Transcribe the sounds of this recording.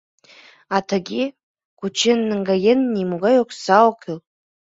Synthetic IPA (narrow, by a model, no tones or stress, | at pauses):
atʰaɡʲi | kʰʷut͡ʃʰɪnːɨŋɡajenːimuɡajokʷʰsawkʲʰɪl